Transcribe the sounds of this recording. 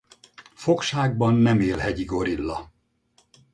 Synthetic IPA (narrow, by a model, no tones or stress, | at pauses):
fo̞kʃaːɡ̚bɒnːɛmeːlhɛɟiɡo̞ɾilːɒ